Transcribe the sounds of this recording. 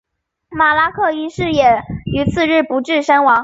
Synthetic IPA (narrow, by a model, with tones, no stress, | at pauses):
ma˨˩la˥kʰɤ˥˩y˧˥ʂɻ̩˥˩jɛ˨˩y˧˥t͡sʰɹ̩˥˧ɻɻ̩˥˩pu˧˥ʈ͡ʂɻ̩˥˩ʂə˥nwɑ˧˥ŋ